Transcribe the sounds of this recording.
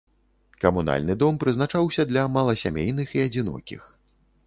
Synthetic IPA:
kɐmuna̰lʲnɨd̪ɔmpɾɨznat͡ʂawsʲɐd̪lʲɐmalˠɐsʲa̰mʲejnɨxiɐd͡zʲinɔ̰kʲḭx

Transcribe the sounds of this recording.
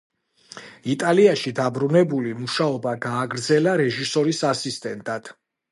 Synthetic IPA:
it̪ʼaliaʃid̪abɾunɛbulimuʃaɔbaɡaːɡɾd̪zɛlaɾɛʒisɔɾisasist̪ʼɛnt̪ʼad̪̥

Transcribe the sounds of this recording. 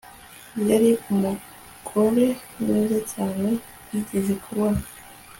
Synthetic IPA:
jaɾiumu | kʰoɾemezacaːne | itezikʰuɾwa

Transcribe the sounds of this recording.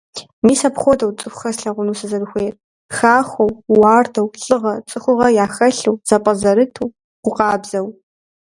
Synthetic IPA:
miːsɐpχʷɔdɐwt͡sʼɨxʷxɐsɬɐʁʷʊnuːsɐzɐbɨxʷeːr | xaːxʷɐwːɑːrdʰɐwɬʼɨʁɐt͡sʼɨxʷʊʁɐjaːxɐɬɨwz̥ɐpʼɐzɐɾɨtʰuː | qʷʊqʼɑːbzɐw

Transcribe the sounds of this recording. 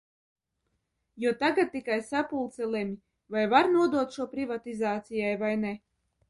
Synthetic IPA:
juɔt̪aɡat̪̚ːikajsapulˠt̪sɛlemʲi | vajvaɾnuɔd̪uɔt̪ʃuɔpɾivat̪izaːt̪sijajvajnɛ

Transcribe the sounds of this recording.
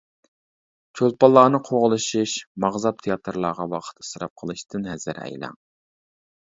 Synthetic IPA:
t͡ʃʰolˠpɑlˠːɑːnɨqʰoʁəlˠɨʃiʃmɑʁzɑp̚t̪ʰejɑt̪ʰɾlˠɑʁɑwɑqʰə̥t̪ɨ̥sɨɾɑ̰p̚qʰəlˠɨʃt̪ʰɨnɦɛzɨɾɛ̰jlɑ̰ŋ

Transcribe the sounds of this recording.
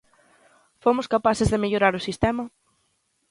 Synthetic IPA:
fomʊskapaθɪzðemeʎoɾaɾʊsist̪ɛmɐ

